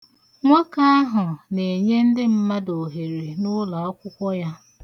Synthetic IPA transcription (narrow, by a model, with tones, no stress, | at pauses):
ŋʷa˦ka˦a˦ɦʊ˨ne˨ɲe˦n̩˦dɪ˦m̩˦ma˦do˨ɦe˨ɾe˨nʊ˦la˨ɔ˦kʷʊ˦kʷɔ˦ja˦